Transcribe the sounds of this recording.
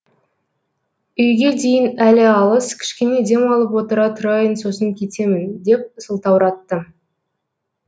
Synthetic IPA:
ʏjɡʲe̞d̪ejɪnælɪɑlˠəskʲʰɪ̥ʃkʲe̞ne̞d̪e̞mɑlˠəpwo̞t̪əɾɑt̪ʰʊɾɑjənso̞s̬əŋkʲʰe̞t̪e̞mɪnd̪e̞p̚səlˠt̪ɑwɾɑt̪ːə

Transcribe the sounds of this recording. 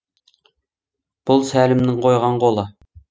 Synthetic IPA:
b̥ʊlˠsælɘ̆mnɪŋqojʁɑɴqolˠɤ

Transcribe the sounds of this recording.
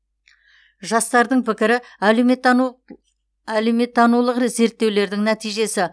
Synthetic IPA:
ʒɑst̪ɑɾd̪əɴpʰɪkʲɪɾɪæe | æleme̞t̪ʰːɑnulˠəqret̪ze̞ɾt̪ːe̞wle̞ɾd̪ɪŋnæt̪ijʒe̞sɪ

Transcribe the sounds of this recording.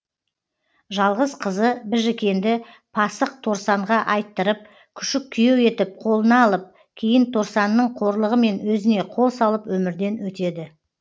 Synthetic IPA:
ʒɑlˠʁəzqʰəzəbɪɾʒekʲe̞nd̪ɪ | pʰɑsəq̚t̪ʰo̞ɾsɑɴʁɑʔɑjt̪ːəɾəp̚ | kʲʰʏ̥ʃɪk̚kʲʰːʏjewe̞t̪ɪp̚qʰo̞lˠənɑːlˠəp̚ | kʲʰe̞jɪnt̪ʰo̞ɾsɑnːəɴqʰo̞ɾlˠəʁəme̞nwɵzɪne̞qʰo̞lˠsɑlˠəpwɵmɪɾd̪e̞nwɵt̪e̞d̪ɪ

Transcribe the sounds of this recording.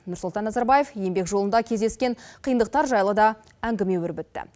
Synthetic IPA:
nʊɾsʊlˠt̪ɑnːɑzɑɾbɑje̞fje̞mbe̞kʒo̞lˠənd̪ɑkʲʰe̞zd̪e̞skʲe̞ɴqʰijənd̪əq̚t̪ɑɾʒɑjlˠəd̪ɑ | æŋɡʲɪme̞wʏɾbɪt̪ːɪ̰

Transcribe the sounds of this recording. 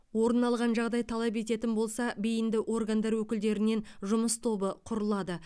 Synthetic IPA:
wo̞ɾənɑlˠʁɑnʒɑʁd̪ɑjt̪ʰɑlˠɑp̬e̞t̪e̞t̪ɪnbo̞lˠsɑbejɪnd̪ɪʔo̞rɡand̪ɑɾwɵkʲɪld̪e̞ɾɪne̞nʒʊməst̪ʰo̞bəqʰʊɾəlˠɑd̪ə

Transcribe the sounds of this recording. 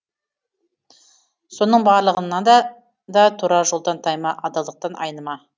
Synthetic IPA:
so̞nəɴbɑɾlˠəʁənːɑd̪ɑ | d̪ɑt̪ʰuɾɑʒo̞lˠd̪ɑnt̪ʰɑjmɑʔɑd̪ɑlˠd̪əq̚t̪ɑnʔɑ̰jnəmɑ

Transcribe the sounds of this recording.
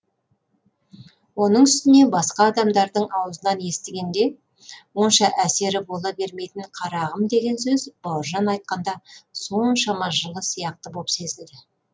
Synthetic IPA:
wo̞nəɴʏst̪ɪne̞bɑsqɑːd̪ɑmd̪ɑɾd̪əɴɑwəzənɑnje̞st̪ɪɡʲe̞nd̪e̞ | wo̞nʃɑʔæse̞ɾɪbo̞lˠɑbe̞ɾme̞jt̪ɪɴqʰɑɾɑʁəmd̪e̞ɡʲe̞nsɵzb̥ɑwəɾʒɑnɑjt̪̚qɑnd̪ɑso̞nʃɑmɑʒəlˠəsijɑq̚t̪əbo̞pse̞zɪld̪ɪ

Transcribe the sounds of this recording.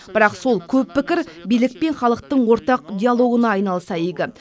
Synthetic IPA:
b̥ɪɾɑqso̞lˠkʲʰɵpːɪkʲɪɾbijlɪk̚pe̞nχɑlˠəqt̪əɴwo̞ɾt̪ɑqd̪ʲijalˠo̞ɡənɑːjnɑlˠsɑeɡ̪ʲɪ

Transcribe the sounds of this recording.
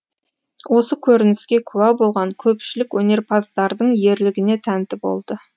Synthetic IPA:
wʔo̞səkʲʰɵɾɪnɪskʲe̞kʲʰuwæbo̞lˠʁɑŋkʲʰɵpʃɪlɪkwɵne̞ɾpʰɑst̪ɑɾd̪əɴje̞ɾlɪɡʲɪne̞t̪ʰænt̪ɪbo̞̰lˠd̪ə

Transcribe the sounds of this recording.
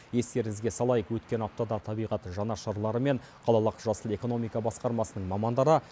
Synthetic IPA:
je̞st̪e̞ɾɪŋɪzɡʲe̞sɑlˠɑjəqwɵt̪kʲe̞nɑp̚t̪ɑd̪ɑt̪ʰɑbijʁɑt̪ʒɑnɑʃɑɾlˠɑɾəme̞ɴ | qʰɑlˠɑlˠəqʒɑsəlˠe̞ko̞no̞mijkɑbɑsqɑɾmɑsənəɴmɑmɑnd̪ɑɾə

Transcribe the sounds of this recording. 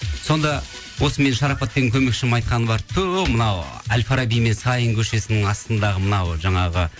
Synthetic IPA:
so̞nd̪ɑ | wo̞səme̞nʃɑɾɑpɑt̪ːeɡʲɪŋkʲʰɵme̞kʃɪmɑjt̪̚qɑnəbɑɾt̪ʰɵmənɑwælfaɾabijme̞nsɑjəŋkʲʰɵʃe̞sɪnɪŋɑst̪ənd̪ɑʁəmənɑwʒɑɴɑʁə

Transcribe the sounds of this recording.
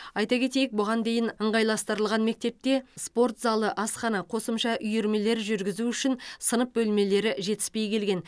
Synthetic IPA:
ɑjt̪ɑkʲʰe̞t̪e̞jɪk̚bʊʁɑnd̪e̞jɪnəɴʁɑjlˠɑst̪əɾəlˠʁɑnme̞k̚t̪e̞p̚t̪e̞spo̞rt̪zɑlˠəʔɑsχɑnɑqʰo̞səmʃɑʔʏjeɾme̞le̞ɾʒʏɾɡʲɪzuʏʃɪnsənəp̚bɵlme̞le̞ɾɪʒe̞t̪ɪ̥spe̞jkʲʰe̞lɡʲe̞n

